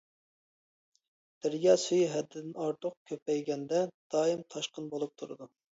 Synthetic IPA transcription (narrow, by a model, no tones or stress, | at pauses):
d̪̥ɪɾjʲɑsyjɦɛd̪ːɪd̪ɪnɑɾt̪ʰʊq̚kʲʰøpʰɛjɡʲɛnd̪ɛd̪̥ɑːimt̪ʰɑʃqənbolˠup̚t̪ʰuɾɨd̪u